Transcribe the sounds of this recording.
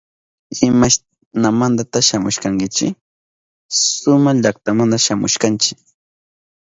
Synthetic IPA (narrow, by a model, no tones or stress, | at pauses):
ɪmaʃ | namand̪at̪aʃamʊʃkaŋkɪt͡ʃɪ | sʊmaʎak̚t̪amand̪aʃamʊ̰ʃkant͡ʃɪ̥